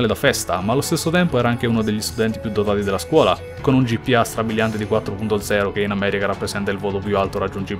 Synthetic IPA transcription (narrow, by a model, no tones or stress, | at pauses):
led̪afɛst̪a̰malːost̪esːot̪ɛmpoɛɾaaŋk̟eunod̪eʎːist̪ud̪ɛnt̪ipjud̪ːot̪aːt̪id̪elːaskwɔːla̰ | konund͡ʒipːiast̪ɾabiʎːant̪ed̪ikwat̪ːɾopunt̪od̪zɛːɾok̟einamɛːɾikaɾapːɾesɛnt̪ailvoːt̪op̬jualt̪oɾad͡ʒːund͡ʒiːb